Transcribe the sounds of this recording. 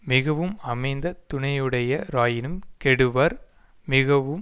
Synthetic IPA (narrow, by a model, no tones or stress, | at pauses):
mɪɣɐʋɯmɐmɐɪnd̪ɐt̪ʊɳɐjɯɽɐjɐɾaːjɪnɯmkɛɽɯʋɐɾ | mɪɣɐʋɯm